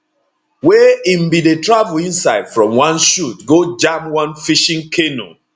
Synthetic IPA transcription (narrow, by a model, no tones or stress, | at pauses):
wɛĩm̩bidetɹavulĩnsaɪd̥fɹɔ̃mwãnʃutɡod͡ʒamwãnfiʃĩŋkʰeno̰